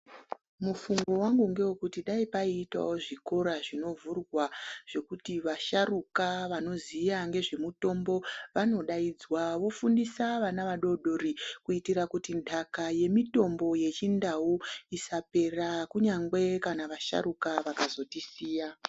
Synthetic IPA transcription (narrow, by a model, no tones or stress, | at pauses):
mufuŋɡo̞waŋɡuŋɡe̞wekutiɗaipaiːta̰wo̞ʐiko̞ɾaʐino̞vurwaʐ̥e̞kutiʋaʃarukaʋano̞zijaŋɡe̞ʐe̞muto̞mbo̞ʋano̞ɗaid͡zwaʋo̞fundisaʋanaʋaɗo̞ɗo̞rikuitirakutindʰʱakaje̞mito̞mbo̞je̞t͡ʃindawuisape̞rakuɲaŋɡwe̞kanaʋaʃa̰ɾukaʋakazo̞tisiːja